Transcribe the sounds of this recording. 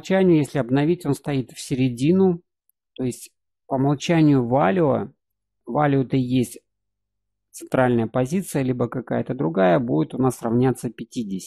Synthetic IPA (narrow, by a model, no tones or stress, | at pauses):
t͡ɕænʲɪjʊjesʲlʲɪɐbnɐvʲitʲo̞nst̪ɐit̪fsʲɪɾʲɪdʲinʊ | t̪o̞ɪsʲtʲ | pəmɐlˠt͡ɕænʲɪjʊvalʲʊə̰ | valʲʊt̪əjesʲtʲ | t̪sɨnt̪ɾalʲnəjəpɐzʲit̪sɨjəlʲibəkɐkajət̪əd̪ɾʊɡajəbudʲɪt̪ʊnasrɐvnʲat̪səpʲɪtʲidʲɪsʲɪ